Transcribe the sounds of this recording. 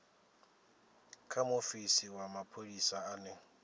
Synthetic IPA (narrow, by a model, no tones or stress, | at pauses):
kʰamofisiwamapʰodisaane